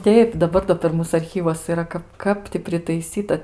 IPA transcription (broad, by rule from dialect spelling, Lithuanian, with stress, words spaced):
ˈtʲɛɪp dɐˈbɐr doː pʲɛr ˈmuːs ɐrʲˈxʲiːʋuɔs iːˈrɐ ˈkɐp ˈkɐp tʲɪ pʲrʲɪtɐɪˈsʲiːtɐ